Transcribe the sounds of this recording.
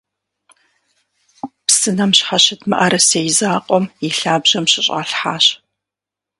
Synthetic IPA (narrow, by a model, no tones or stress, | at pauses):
psɨnɐmɕħaɕɐtʰmɨ̰ʔɐɾɐsejzaːqʷʼɔmiɬaːbʒ̥ɐmɕɪɕʼa̰ɬħaːɕ